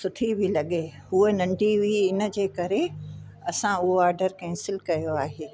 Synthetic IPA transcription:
sʊʈʰibʱɪlɐɠeɦuenɐ̃ɳɖiʋiɪnə̆d͡ʑeːkɐɾe | ɐsãʊɦoaːɾɖəɾkɐ̃ɪ̃sɪlkɐjoaːɦeː

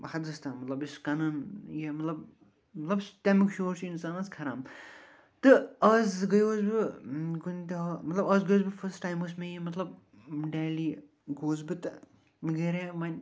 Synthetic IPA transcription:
bɦɐt̪ɡɐst̪amɐt̪lɐbiskɐnɐnjemɐt̪lɐb̚ | mɐt̪lɐbst̪emikʃoːɾsinsaːnazkʰɐɾaːm | t̪ɨɐzɡɐjoːzbiɡunt̪iɦɐmɐt̪lɐbɐːzɡɐjoːzbɨfʰɐsʈːaːjmɐs̬mẽjimɐt̪lɐb | ɖeːliː | ɡoːzbɨt̪ɨ | mɡeːɾẽːmɐnʲ

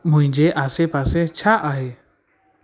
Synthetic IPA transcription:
mũj̃d͡ʒɛʔasɛpasɛt͡ʃʰaʔaɦɛ

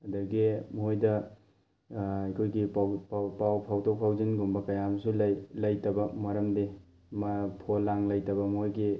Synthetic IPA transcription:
ɐdɐɡimɦojdɐ | ɐjkʰojɡipppawpʰawtok̚pʰawzinɡumbɐkɐjamsuljlɐjtɐbɐmɐɾɐmdi | mɐpʰolaŋlɐjtɐbɐmɦojɡi

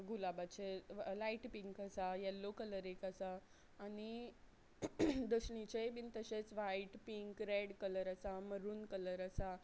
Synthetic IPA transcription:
ɡulabat͡ɕelaiʈpiŋkasajɛlːokələɾekasaː | ñi | d̪əɕɳit͡ɕebint̪əɕet͡sʋajʈpiŋkɾeɽkələɾasaməɾuːnkələɾasa

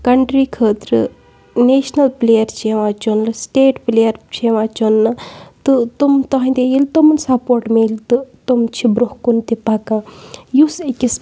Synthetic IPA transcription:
kɐɳʈɾikʰəːt̪ɾɨ̰ | neːʃnɐlplejɐɾt͡ʃʰeʋãt͡ʃonlɨsʈeːʈplejɐɾt͡ʃʰeʋaːt͡ʃonːɨt̪ɨt̪umt̪ɐɦɐ̃d̪ejilt̪omunsɐpoːɾʈmelt̪ɨt̪omt͡ʃʰibɾuhkunt̪ipɐkajusekʲis

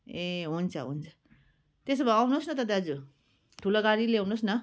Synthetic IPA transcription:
eɦunt͡sʰʌ̰ɦṵnt͡sʰʌ | t̪esʌbʌawnosnʌt̪ʌt̪aɦʌd͡zu | ʈʰuloɡaɾileawnosnʌ

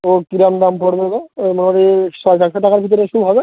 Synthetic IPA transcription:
okiɾamd̪ampɔɽbeɡomoneoɾiʃɔʃɛkʃoʈakaɾbʱit̪̬oɾeʃubɦɔbe

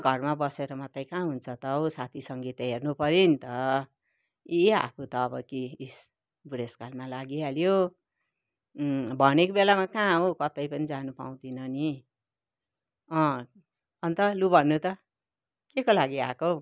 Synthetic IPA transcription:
ɡʱʌrmabʌseɾʌmʌt̪ʌjkãɦunt͡sʰʌt̪ʌosat̪ʰisʌŋɡit̪ɦernupʌɾinit̪ʌ | ia̰pʰut̪ʌːbʌ̰kiis | buɽeskalmalaɡialjo | bʱʌnekobelamakãɦokʌt̪ʌjpʌnid͡zanupa̰w̃d̪inʌni | ʌ̃ | ʌnt̪ʌlubʱʌnːut̪ʌ | kekolaɡia̰ko

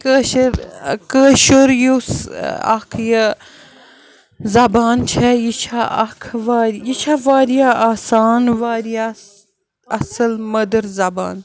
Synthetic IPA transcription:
kəːʃɐɾkəːʃoɾjusɐ̰kʰjɐ | zɐbaːnt͡ʃʰɛjit͡ʃʰaʔɐkʰʋaːɾjit͡ʃʰaːʋaːɾjaaːsaːnʋaːɾija | ɐsəlmɐd̪əɾzɐba̰ːn

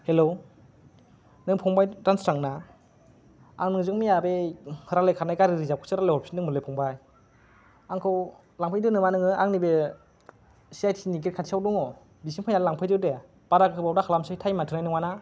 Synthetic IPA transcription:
helo | nɯŋpʰɔŋbajtanstɾaŋna | a̰ŋnɯŋzɯŋmijabeɾalejkʰanajkaɾiɾizap̚kʰɯ̥sɯɾalehɔɾpʰsi̥nɯŋmɯlɯjpʰɔŋbaj | aŋkʰɯw | laŋpʰajdɯnɯmanɯŋɯaŋnibe | siajtʰiinik̬et̚kʰatsiawdɔŋɔ | bisiŋpʰajnalaŋpʰajdɯde | b̥aɾakɯɯbawdakʰalamsɯjtʰajmatʰɯnajnɯŋmana

